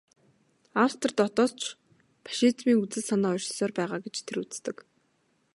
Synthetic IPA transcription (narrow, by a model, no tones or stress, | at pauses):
awt̪̆rt̪ɔt̪ɔːɮt͡ɕ | pʰḁʃiːt͡smiːŋut͡sɘ̆ɮsanɔːɔrʃ̆sɔːrpæːʁaːɡet͡ɕt̪ʰeɾut͡st̪ɘ̆k